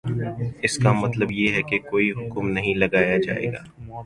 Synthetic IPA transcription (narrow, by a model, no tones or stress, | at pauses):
ɪskamɐt̪ləbjeɦɛkekoːiɦʊkmnɐɦĩlɐɡaːjad͡ʒa̰ːḛːɡa̰ː